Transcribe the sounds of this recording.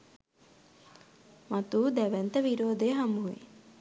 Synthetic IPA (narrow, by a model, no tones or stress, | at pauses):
mat̪uːd̪ɛʋɛnt̪əʋiɾoːd̪eːɦɐmuɦuḭ